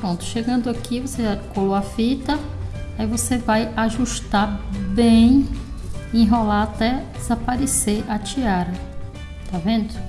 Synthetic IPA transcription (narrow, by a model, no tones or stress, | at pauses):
pɾõnt̪ʊ̥ʃeɡɐ̃nd̪ʊakʰivoseʒakoloɐfit̪ɐaivosevajaʒuʃt̪abẽj̃ | ẽɦolaat̪ɛd̪ezapaɾeseʔat͡ʃiaɾɐ | t̪avẽnd̪ʊ